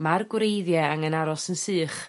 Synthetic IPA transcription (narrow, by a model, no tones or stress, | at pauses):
marɡwɾejðjɛaŋənaɾɔsənsɨːχ